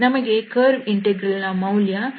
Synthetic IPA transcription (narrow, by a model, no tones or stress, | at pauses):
nɐməɡekəɾʋiɳʈeɡɾəlːamawlja